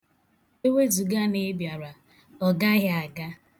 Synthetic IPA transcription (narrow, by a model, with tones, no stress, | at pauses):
e˦we˦zu˨ɡa˦ne˦bja˨ɾa˨ | ɔ˨ɡa˦ɣa˨ɡa˦